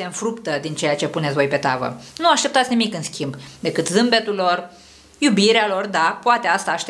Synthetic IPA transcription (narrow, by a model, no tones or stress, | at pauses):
se̞ɨnfɾupt̪əd̪int͡ʃe̞jat͡ʃe̞punet̪vo̞jpe̞t̪avə̰nuaʃt̪e̞p̚t̪at̪sʲnimikɨnskʲimbd̪e̞kɨt̪zɨmbe̞t̪ulo̞r | jubiɾealo̞rd̪apoat̪e̞ast̪aːʃt̪e